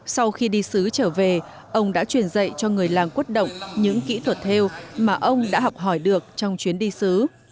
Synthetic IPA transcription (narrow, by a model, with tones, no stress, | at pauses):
sa˧wxi˧ɗi˧sɨ˨˦t͡ɕəː˧˩ve˨˩ | ʔə˧wŋ͡mɗa̰ː˧˥t͡ɕwi˧˩ənzə̰˧˨jt͡ɕɔ˧ŋɨ˨˩əjlaː˨˩ŋkwi˦˥t̚ɗə̰˧˨wŋ͡mɲɨ̰˧˥ŋkḭ˧˥t̪ʰwə˨˩t̚t̪ʰe˧wmaː˨˩ʔə˧wŋ͡mɗa̰ː˧˥ɦɔ˨˩k͡p̚ɦɔ˧˩jɗɨ˨˩ək̚t͡ɕɔ˧wŋ͡mt͡ɕwi˨˦ənɗi˧sɨ˨˦